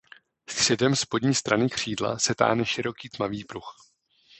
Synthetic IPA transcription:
st̪r̝̥ɛdɛmspo̞dɲiːst̪ɾanɪkr̝̥iːdla̰sɛt̪a̰ːnɛʃɪɾo̞kiːt̪maviːpɾux

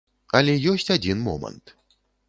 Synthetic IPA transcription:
ɐlʲɛjɔsʲt͡sʲad͡zʲinmɔ̰mɐ̰nt̪

